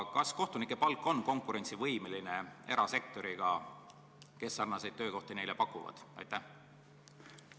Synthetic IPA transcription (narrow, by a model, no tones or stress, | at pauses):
kɑsko̞ht̪unikːˑe̞pɑlkːˑo̞nːko̞ŋkˑuɾe̞nʲtsivɤjmeline̞e̞ɾɑse̞k̚t̪o̞ɾiɡ̥ɑ | ke̞sːɑrnɑse̞jd̪̥̚t̪ø̞ːko̞ht̪ine̞jlepɑkːˑuvɑ̰d̪̥ɑ̰jt̪ːˑæh